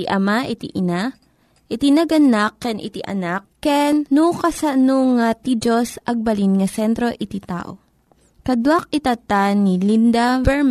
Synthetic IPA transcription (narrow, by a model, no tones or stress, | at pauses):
iʔɐmaʔit̪iʔɪna | ʔɪt̪inɐɡɐnakːɛnʔɪ̰t̪iʔɐ̰nakːɛnːukɐsɐnoŋat̪id͡ʒosʔɐɡ̚bɐlinŋɐsɛnt̪ɾo̞ʔɪt̪it̪a̰ːʔo̰ | kɐd̪wak̚ɪt̪at̪anilind̪abɛɹm